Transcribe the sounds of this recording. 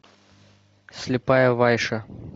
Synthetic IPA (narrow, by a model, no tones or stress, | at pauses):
sʲlʲɪpajɐvajʂɐ